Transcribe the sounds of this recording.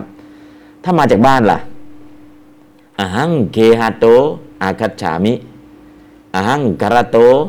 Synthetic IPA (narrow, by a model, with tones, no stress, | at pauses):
p̚ | t̪ʰaː˥˩maː˧t͡ɕaː˨˩k̚baː˥˩˨nla̰˨ʔ | ʔa˨˩ɦa˦˥˨ŋkeː˧ɦa˧t̪oː˧˦ʔa˧kʰa˧t̪̚t͡ɕʰa̰ː˨˦mi˦ʔ | ʔa˨˧ɦa˧˥˨ŋka˧ɾa˧t̪oː˧˦